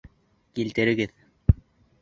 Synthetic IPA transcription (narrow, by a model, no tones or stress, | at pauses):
kilt̪ɘ̆ɾɘ̆ɡɘð